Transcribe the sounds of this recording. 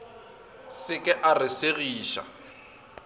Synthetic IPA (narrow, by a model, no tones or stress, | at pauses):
sɪkʼɛʔarɪseɣiːʃa̰